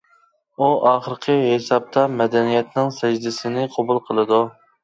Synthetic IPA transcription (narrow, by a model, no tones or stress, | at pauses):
uʔɑːχəɾqʰəɦesɑp̚t̪ʰɑmɛd̪ɛnijɛt̪nɪŋsɛʒd̪ɪsɪnɪqʰɑbulˠqʰəlˠɨd̪u